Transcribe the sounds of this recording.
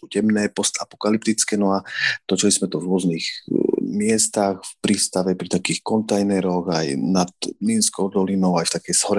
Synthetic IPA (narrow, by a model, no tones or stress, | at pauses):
ucɛmnɛːpɔst̪apɔ̥kalip̚t̪it͡skɛːnɔat̪ɔt͡ʃɛlismɛt̪uvɾʊɔzniːxmɪɛst̪axfpɾiːst̪aʋɛpɾit̪akiːxkɔnt̪ajnɛɾɔɣa̰jnad̪linskɔʊd̪ɔlinɔʊajft̪akɛjsɦɔɾɛ